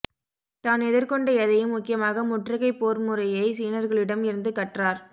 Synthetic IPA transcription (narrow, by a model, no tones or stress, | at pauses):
t̪aːnɛðɪɾkɔɳɖɐɛðɐjɯmːʊkːɪjɐmaːɣɐmʊʈrɐɣɐɪpːoːɾmɯrɐjɐɪsiːnɐɾɣɐɭɪɽɐmɪɾɯnd̪ɯkɐʈraːɾ